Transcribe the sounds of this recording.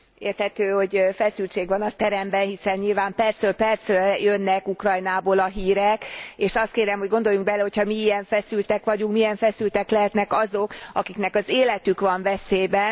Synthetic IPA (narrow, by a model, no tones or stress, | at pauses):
eːrt̪hɛt̪øːho̞ɟfɛsylt͡ʃeːɡʋɒnɒt̪ɛɾɛmbɛnhisɛnɲilvaːmpɛrsøːlpɛrt̪søjønːɛkukrɒjnaːboːlɒɦiːɾɛkeːʃɒst̪̚keːɾɛmɦo̞ɟɡo̞nd̪o̞juŋɡ̚bɛlɛho̞chɒmiijɛɱfɛsylt̪ɛkʋɒɟuŋkmijɛɱfɛsylt̪ɛklɛɦɛt̪nɛkɒzo̞kɒkiknɛkɒzeːlɛt̪ykʋɒɱvɛseːbɛ